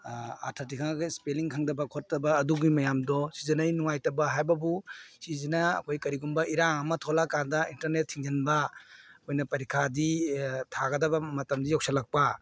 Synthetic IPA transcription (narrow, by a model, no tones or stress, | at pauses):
a̰tʰatikʰaŋɡɐspeliŋkʰaŋdɐbɐkʰottɐbɐːduɡimɐjamdɔsizɐnɐjnuŋajtɐbɐɦajbɐbusizinɐɐ̰kʰojkɐɾiɡumbɐʔiɾaŋɐmɐtʰolakandɐintɐɾnetʰːiŋd͡ʒɐnbɐkojnɐpɐɾikʰaditʰaɡɐdɐbɐmɐtɐmdijɔk̚salak̚pɐ